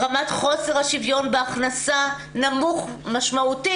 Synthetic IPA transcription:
ʁamatχo̞seʁhaʃivjo̞nbeaχnasa | namuχmaʃmauti

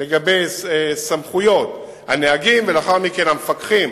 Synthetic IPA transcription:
le̞ɡabe̞jsamχujo̞t̪ | haneaɡimvelaχaʁmike̞nhamefakχim

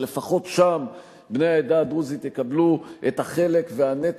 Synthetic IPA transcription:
lefaχo̞t̪ʃam | bne̞jaed̪ad̪uzit̪jekabluʔet̪aχe̞le̞kveanet

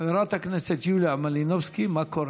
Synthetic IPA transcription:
ɾˤɑt̪aknəsat̪juːlamalinofskimakoɾ

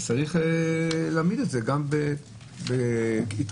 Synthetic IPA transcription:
t͡saʁiχelaːmid̪etzeɡambe | beit̪

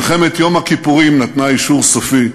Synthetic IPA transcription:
χemet̪jo̞makipuʁimnat̪naiʃuʁsofi

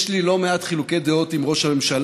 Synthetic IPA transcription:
ʃlilo̞meat̪χiluke̞jd̪eot̪imʁo̞ʃhame̞mʃal

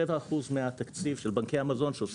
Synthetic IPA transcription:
evaːχuzmeat̪akt͡sivʃe̞lbaŋkejamazo̞nʃeos

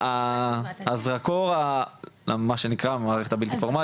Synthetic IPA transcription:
aː | zʁakoʁaamaʃe̞nikʁamaːʁeχe̞t̪abilt̪ifoʁma

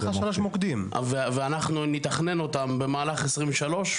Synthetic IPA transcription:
aʃaloʃmokd̪imveveanaχnunit̪aχne̞no̞t̪ambe̞maːlaχesʁimvʃalo̞ʃ

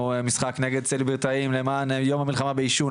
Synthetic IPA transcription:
misχakneɡed̪̚t͡selibeʁt̪aimlemaːnjo̞mhamilχamabeiʃu

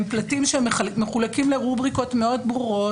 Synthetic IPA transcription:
mplatimʃemeχulakimleʁubʁiko̞tmeo̞dbuʁo̞

